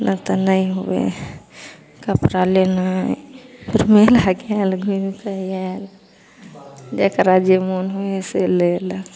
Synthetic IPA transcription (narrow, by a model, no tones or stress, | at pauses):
nat̪ənəĩɦobḛ | kəpɾalena | pʰiɾmelaɡalɡʱumk̪əial | d͡ʒekəɾad͡ʒemonɦoeselel